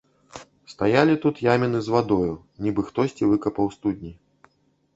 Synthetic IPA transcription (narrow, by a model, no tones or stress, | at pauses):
st̪ajalʲit̪ut̪jamʲinɨzvad̪ɔju | nʲibɨxt̪ɔsʲt͡sʲivɨkɐpɐwst̪ud̪ʲnʲi